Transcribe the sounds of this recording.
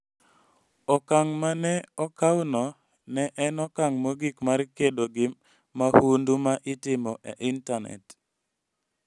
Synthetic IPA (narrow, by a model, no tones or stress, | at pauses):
ɔkaŋmanɛɔkawnɔ | nɛʔɛnɔkaŋmoɡikmarkedoɡɪ | mahundumaʔɪtɪmɔʔḛʔɪntanɛ̰t